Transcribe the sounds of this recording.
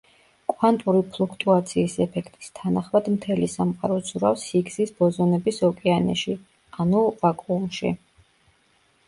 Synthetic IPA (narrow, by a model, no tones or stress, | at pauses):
kʼwant̪ʼuɾipʰlˠukʰt̪ʼuat̪sʰiːsɛpʰɛkʰt̪ʼi̥st̪ʰanaχmad̪mt̪ʰɛlisamqʼaɾɔsʰuɾafsiɡz̥isbɔzɔnɛbisɔkʼɛanɛ̰ʃi | anuvakʼuumʃḭ